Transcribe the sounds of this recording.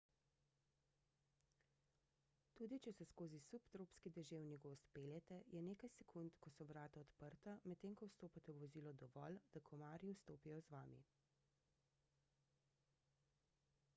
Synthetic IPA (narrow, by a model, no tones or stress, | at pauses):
t̪uːd̪it͡ʃɛsɛskoːzisupt̪ɾoːpskid̪ɛʒeːwniɡost̪peːljɛt̪ɛjɛneːkajsɛkʰunt̪kɔsɔʋɾaːt̪aɔt̪pəɾt̪amɛt̪ːeːŋkɔwst̪oːpat̪ɛwʋɔziːlɔd̪ɔʋɔ̰ld̪̥akʰɔmaːɾiwst̪oːpijɔzʋaːmḭ